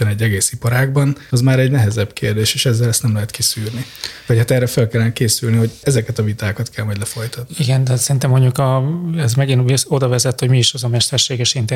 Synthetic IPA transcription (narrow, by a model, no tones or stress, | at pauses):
ɛnɛɟːɛɡeːsipɒɾaːɡ̚bɒnɒzmaːɾɛɟnɛɦɛzɛbkeːrd̪eːʃeːʃɛzːɛlɛst̪nɛmlɛɦɛt̪kisyːrni | vɒchat̪ɛrːɛfølkɛlːɛnɛkeːsylniho̞ɟɛzɛkɛt̪ɒvit̪aːkɒt̪kʰɛlmɒɟdlɛfo̞jt̪ɒt̪niiɡɛnd̪ɛt̪sɛɾint̪ɛmːo̞ɲɟukɒɛzmɛɡiniso̞d̪ɒvɛzɛt̪ːhoɟmiiʃɒzɒmɛʃt̪ɛrʃeːɡɛʃint̪ɛ